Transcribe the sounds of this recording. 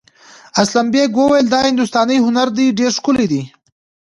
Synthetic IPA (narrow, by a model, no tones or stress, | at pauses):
aslambeɡwəwajəld̪ɑhɪnd̪ʊst̪ɑnəjɦʊnaɾd̪iɖeɾʂkʊlid̪i